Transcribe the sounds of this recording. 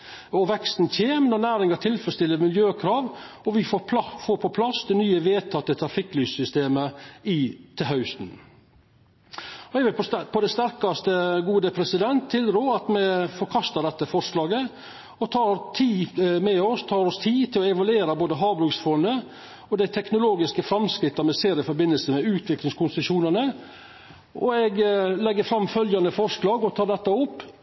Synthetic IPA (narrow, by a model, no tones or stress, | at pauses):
ɔʋɛkst̪nçeːmnɔnæːɾɪŋɑt̪ʰɪlfɾəst̪ɪlːəɾmɪljøːkʰɾɑːʋ | ɔʋɪfoːɾpʰɔpʰlɑsd̪ɛnyːəʋeːt̪ʰɑt̪ːət̪ʰɾɑfɪkːlyːssʏst̪eːməɪt̪ʰɪɦɑʉst̪n̩ | ɔɛʋɪlpʰɔd̪ɛst̪æɾkɑst̪əɡuːd̪əpʰɾɛsɪd̪ɛnt̪ʰːɪld̪ɾuːɾɑt̪mɛfɔɾkʰɑst̪ɑɖ̪ɛt̪ːəfɔʂlɑːɡə | ɔt̪ʰɑːɾt̪ʰiːmɛɔst̪ʰɑːɾɔst̪ʰiːt̪ʰɪlɔɛʋɑlʉeːɾɑboːd̪əɦɑːbɾʉksfɔnə | ɔd̪æɪt̪ʰɛknʊloːɡɪskəfɾɑmskɾɪt̪ːɑmɛseːɾɪfɔɾbɪnːəlsəmɛʉːt̪ʰʋɪklɪŋskʰʊnsəʂuːnənə | ɔɛɡlɛɡːəɾfɾɑmfœljɑnəfɔɾʂlɑːɡɔt̪ʰɑːɖ̪ɛt̪ːɑʊpː